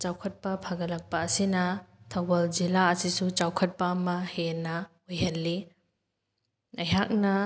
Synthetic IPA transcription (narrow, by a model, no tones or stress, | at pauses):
t͡ʃawkʰɐt̚pɐpʰaɡɐlɐk̚pɐːsinɐtʰɐwbɐld͡ʒilaɐsisut͡ʃawkʰɐt̚pɐːmɐhenɐ | ojɦɐlːi | ɐjɦak̚nɐ